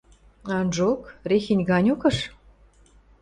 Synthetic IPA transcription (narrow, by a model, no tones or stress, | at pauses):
ɑnʒokrexinʲɡɑnʲokɤ̆ʃ